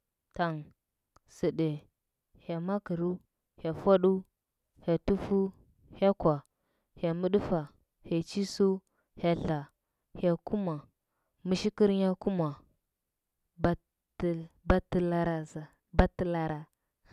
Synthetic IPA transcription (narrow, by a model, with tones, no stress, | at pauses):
ta˨ŋ | si˨ɗe˨ | he˨ma˦ki˨ɾu˦ | he˨fa˦ɗu˦ | he˨tu˦fu˦ | he˦kwa˨ | he˨mu˦ɗu˦fa˨ | he˨t͡ʃi˦su˦ | he˨ɬa˨ | he˨ku˦ma˨ | mi˦ʃi˦ki˦ɾɲa˦ku˦ma˨ | ba˦ | ba˦ti˦la˦ɾa˦za˨ | ba˦ti˦la˦ɾa˨